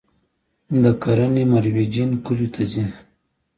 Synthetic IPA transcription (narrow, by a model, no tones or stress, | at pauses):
d̪əkaɾanimaɾwid͡ʒinkulut̪ʰazin